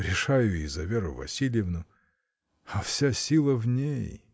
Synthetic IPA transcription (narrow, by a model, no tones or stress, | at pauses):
ɾʲɪʂajʊizɐvʲeɾʊvɐ̰sʲilʲjɪvnʊ | afsʲasʲilˠəvnʲej